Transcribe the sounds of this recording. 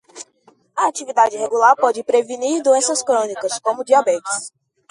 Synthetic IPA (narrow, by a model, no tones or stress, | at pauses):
ɐat͡ʃivid̪ad͡ʒɪheɡulaɾpɔd͡ʒɪpɾeviniɾd̪uẽsɐskɾõnikɐskõmʊd͡ʒiabɛt͡ʃɪs